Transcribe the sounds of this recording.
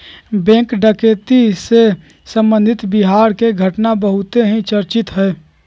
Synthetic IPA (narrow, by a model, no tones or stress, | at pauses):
bɛ̃ːkɖəkeːt̪ise | sə̃mbə̃nd̪ʱɪt̪biɦaːɾkeɡʱəʈnabəɦʊt̪eɦĩt͡ʃəɾt͡ʃɪt̪ɦɛː